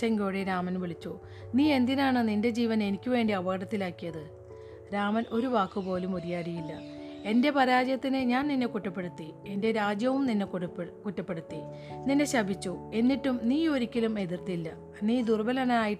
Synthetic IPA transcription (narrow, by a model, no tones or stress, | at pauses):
ɐŋɡoːɽeɾaːmɐnʋiɭit͡ɕːu | niːe̞nd̪inaːɳɨninde̞d͡ʑiːʋɐne̞nikʲːɨʋe̞ːɳɖiɐʋɐɣɐɽɐt̪ːilaːkːijɐðɨ | ɾaːmɐnʔo̞ɾuʋaːkːɨpo̞ːlumuðijaːɽijilːɐ | e̞nde̞pɐɾaːd͡ʑjɐt̪ːinɨɲaːnninːe̞kuʈːɐpːe̞ɽut̪ːie̞nde̞ɾaːd͡ʑjɐʋumninːe̞kuʈːɐpːe̞ɽut̪ːi | ninːe̞ɕɐbʱit͡ɕːue̞nːiʈːumniːo̞ɾikʲːɐlume̞ðirt̪ilːɐ | niːd̪urbɐlɐnɐaːjiʈː